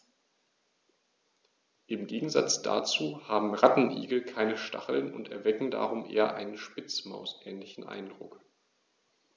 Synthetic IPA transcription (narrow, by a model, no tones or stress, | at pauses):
ʔɪmɡeːɡŋ̩za̰t͡sd̥a̰t͡suːhaːbm̩ʁatn̩ʔḭːɡl̩kʰaɪnəʃtʰa̰χl̩nʊ̰ntɛɐvɛkŋ̩da̰ːʁʊmʔḛːɐʔa̰ɪnənʃpɪt͡smaʊsʔɛːnlɪçn̩ʔa̰ɪndʁʊk